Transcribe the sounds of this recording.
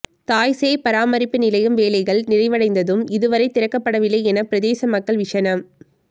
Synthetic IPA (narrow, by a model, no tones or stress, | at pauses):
t̪aːjseːpɐɾaːmɐɾɪpːɯnɪlɐjɯmʋeːlɐɪɣɐɭnɪɾɐɪʋɐɽɐɪnd̪ɐðɯmɪðɯʋɐɾɐɪt̪ɪɾɐkːɐpːɐɽɐʋɪlɐɛnɐpɪɾɐðeːsɐmɐkːɐɭʋɪʂɐnɐm